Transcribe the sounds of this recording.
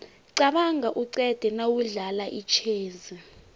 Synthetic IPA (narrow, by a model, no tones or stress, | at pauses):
ǀaɓaŋaʔuǀɛd̥ʱɛnawuɮalaʔit͡ʃʰeːzi